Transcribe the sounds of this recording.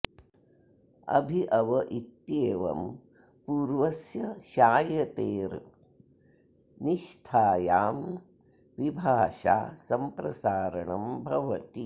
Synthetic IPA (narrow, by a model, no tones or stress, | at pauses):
ɐ̰bʱiʔɐʋɐʔit̪jeːʋɐ̰m | puːɾʋɐsjɐʃaːjɐt̪eːɾ | niʃt̪ʰaːjaːm | ʋibʱaːʂa̰ːsɐmpɾɐsaːɾɐɳɐmbʱɐʋɐt̪i